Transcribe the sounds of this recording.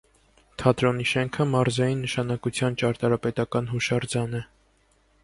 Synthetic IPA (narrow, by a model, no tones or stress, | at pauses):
t̪ʰɑt̪ɾɔniʃɛŋkʰəmɑɾzɑjinːəʃɑnɑkut͡sʰjɑnt͡ʃɑɾt̪ɑɾɑpɛt̪ɑkɑn̪ɦuʃɑɾd͡zɑnɛ